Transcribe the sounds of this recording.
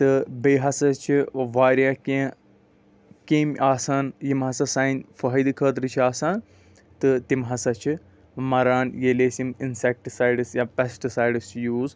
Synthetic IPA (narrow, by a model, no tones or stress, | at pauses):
t̪ɨbeːɦɐsɐt͡ʃʰiʋaːɾʲjaːkẽː | keːmʔaːsaːnjimɦɐsɐsaːinʲfɐɦɐd̪ɨkʰəːt̪ɾɨt͡ʃʰiaːsaːn | t̪ɨt̪imɦɐsɐt͡ʃʰi | mɐɾaːnjeːleːsiminsek̚ʈsaːjɖɨsjaːpesʈɨsaːjɖɨst͡ʃʰjuːz